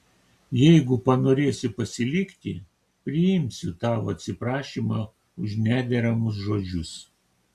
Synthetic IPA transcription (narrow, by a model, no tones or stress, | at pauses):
jɛɪɡʊpɐnoːɾʲeːsʲɪpɐsʲɪlʲɪkʲt̪ʲɪ | pʲɾʲɪjɪmʲsʲʊt̪ɑːʋoɐt̪ʲsʲɪpɾɑːʃʲiːmɑː | ʊʃnʲæːd̪ʲɛɾɐmʊs̬ʒoːd͡ʒʲʊs